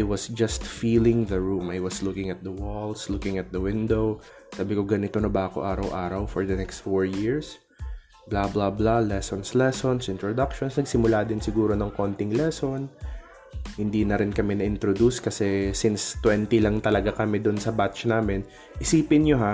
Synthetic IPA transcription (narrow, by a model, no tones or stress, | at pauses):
ʔʔajwɐsd͡ʒɐst̪fiːlɪŋðɐɹumʔajwɐslʊkɪŋɐt̪̚d̪ɐwɔlslʊkɪŋɐt̪̚d̪ɐwɪnd̪ow | saːbɪkoɡɐnɪt̪onɐbaːko̰ʔaːɾɐwʔaːɾɐwfɔɹd̪ɐnɛkst̪foɹjɪɹs | blablablalɛsonslɛsonsʔɪ̃nt̪ɾod̪ak̚ʃonsnɐɡ̚sɪmʊlad̪ɪnsɪɡuːɾo̞nɐŋko̞nt̪ɪŋlɛso̞n | hɪnd̪iːnɐɾɪnkɐmɛnɐʔɪnt̪ɾod̪uskɐsɛsɪnst̪wɛnt̪ɪlɐŋt̪ɐlɐɡakɐmɛd̪ʊnsɐbat̪t͡ʃnaːmɪn | ʔɪsiːpɪnɲoɦa